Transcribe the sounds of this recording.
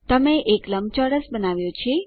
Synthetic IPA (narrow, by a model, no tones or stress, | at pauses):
t̪əmeʔekləm̚t͡ʃɔɽəsbənaʋjõt͡ʃʰe